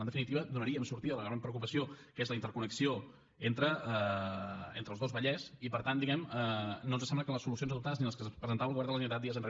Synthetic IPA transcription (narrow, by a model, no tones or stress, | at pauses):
ənd̪əfinit̪iβəd̪unəɾiəmsuɾt̪iðələɣɾampɾəukupəsiokezləint̪əɾkunəksio | ent̪ɾəə | ent̪ɾəlˠzðozβəʎɛsipəɾt̪and̪iɣɛmənonzəsɛmbləkənləsulus̬ionzəðupt̪aðəzniləskəspɾəzənt̪aβəlˠɣuβɛɾðələʒənit̪at̪iəzənre